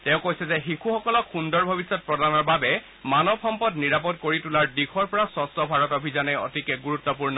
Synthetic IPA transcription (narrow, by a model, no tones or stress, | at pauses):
tɛ̃ʊ̃kojsɛzɛxikʰuxɔkɔlɔkʰxundɔɹbʱɔbisːɔt̚pɹɔdanɔɹbabɛ | manɔbxɔmpɔtniɹapɔt̚koɹitulaɹdikʰɔɹpɔɹasɔstɔbʱaɹɔtɔbʱizɔnɛɔ̰tikɛɡuɹutːɔpuɹnɔ